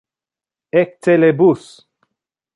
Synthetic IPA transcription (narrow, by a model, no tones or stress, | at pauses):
ek̚t̪ʰelebus